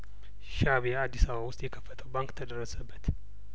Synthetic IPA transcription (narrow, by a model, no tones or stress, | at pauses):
ʃaβead̪ːisəβawʊst̪ʼjɛkʰəfːət̪ʰəwbaŋkt̪ʰəd̪əɾːəsəbːət̪